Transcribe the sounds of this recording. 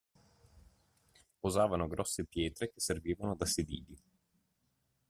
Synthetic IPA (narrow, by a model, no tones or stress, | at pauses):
pozaːvanoɡɾɔsːepjɛːt̪ɾek̟esːerviːvanod̪asid̪ḭːʎi